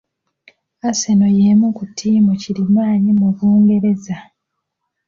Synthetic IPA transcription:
aseno̞jemukutʰːiːmocilimaːɲimuβuːŋɡe̞ɾe̞za

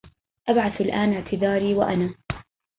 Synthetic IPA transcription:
ʔabʕaθalʔaːnɪʕt̪ʰɪd̪ɑːɾiːwaʔanaː

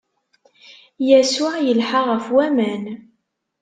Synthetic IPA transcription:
jæsʊʕjəlħaʁəfwæmæn

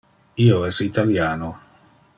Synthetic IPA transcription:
ioɛsit̪aljaːno

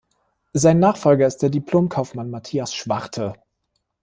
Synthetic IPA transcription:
zaɪnːaːχfɔlɡɐɪst̚d̥eːɐdipʰl̥oːmkʰaʊfmanmatʰiːasʃv̥aʁtʰə

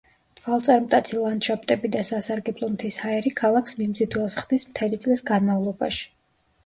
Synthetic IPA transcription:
t̪ʰwalˠt̪sʼaɾmt̪ʼat̪sʰilˠanʃap̚ʰʼt̪ʼɛbid̪asasaɾɡɛblˠɔmt̪ʰishaɛɾikʰalˠaksmimzid̪wɛlˠsχd̪̥ismt̪ʰɛlit̪sʼlisɡanmavlˠɔba̰ʃi̥

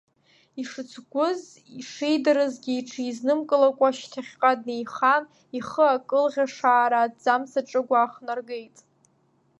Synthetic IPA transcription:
iʂɨt͡sʰɡʷʊz | iʂejdaɾɨzɡʲiːʈ͡ʂʰɨiznɨmkʼɨlakʷʼaʃtʰaχʲqʼad̚nejχan | iχəakʼɨlʁʲaʂaːɾaːd͡zamsaʈ͡ʂʼɨɡʷaːχnarɡe̞jtʼ

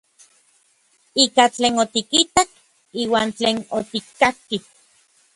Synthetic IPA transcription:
ikat͡ɬeːnot̪ikit̪ak | iːwaːnt͡ɬeːnot̪ikːaki

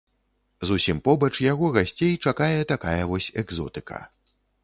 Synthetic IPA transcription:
zusʲimpɔbɐt͡ʂjaɣɔɣasʲt͡sʲejt͡ʂakajɛt̪akajɐvɔsʲɛɡzɔ̰t̪ɨkʰɐ̰

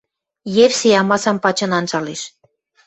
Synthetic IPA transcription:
jeβseɑmɑsɑmpɑt͡ɕɤ̆nɑnt͡sɑleʃ

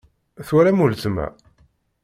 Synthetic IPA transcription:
θwæɾæmult͡s̪mæ̰

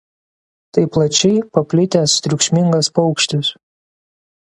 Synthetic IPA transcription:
t̪ɐɪplˠɐt͡ʃʲɛɪpɐpʲlʲɪt̪ʲɛst̪ʲɾʲʊkʃʲmʲɪŋɡɐspɐʊkʃʲt̪ʲɪs

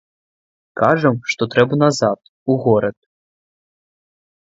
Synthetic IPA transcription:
kaʐɐmʂt̪ɔt̪ɾɛbɐnazat̪̚ | uɣɔɾɐt̪

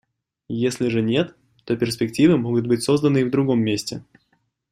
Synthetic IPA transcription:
jesʲlʲɪʐɨnʲe̞t̪ː | o̞pʲɪrs̬ʲpʲɪktʲivɨmo̞ɡʊt̪̚bɨtʲso̞zd̪ənɨivd̪ɾʊɡo̞mʲːesʲtʲɪ

